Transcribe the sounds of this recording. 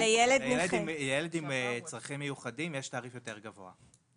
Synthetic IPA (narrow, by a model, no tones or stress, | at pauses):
lejeledjledimjeledimt͡sʁaχimːejuχadimjeʃtaːʁifjote̞ʁɡavo̞̰a̰